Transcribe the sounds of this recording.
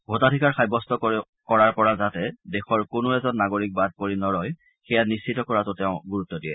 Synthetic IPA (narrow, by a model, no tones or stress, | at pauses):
bʱotatʰikaɹxʰajbɔstɔ | kɔɹaɹpɔɹazatɛdɛxɔɹkʊnʊɛzɔnːaɡoɹik̚bad̚poɹinɔɹɔj | xɛjanist͡ʃʰitɔkɔɹatʊtɛʊ̃ɡuɹutːɔdijɛ